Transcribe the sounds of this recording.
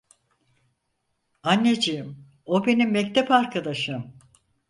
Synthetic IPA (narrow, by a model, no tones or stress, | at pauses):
anːed͡ʒijim | obe̞nimːɛct̪ʰepaɾkʰad̪aʃɯm